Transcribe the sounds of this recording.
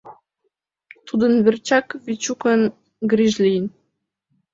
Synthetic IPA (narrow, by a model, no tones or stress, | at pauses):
t̪ud̪ə̆nβɘ̆rʲt͡ɕɑkvit͡ɕukə̆n | ɡrʲiʒlʲin